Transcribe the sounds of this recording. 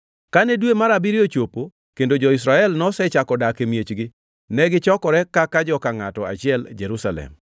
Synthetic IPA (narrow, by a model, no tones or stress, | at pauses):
kanɛdwemaɾabiɾiot͡ʃopo | kendod͡ʒɔɪs̬ɾaɛlnɔsɛt͡ʃakɔdakemjet͡ʃɡɪ | nɛɡɪt͡ʃɔkɔɾɛkakad͡ʒɔkaŋatɔa̰t͡ʃɪɛld͡ʒeɾusalɛ̰m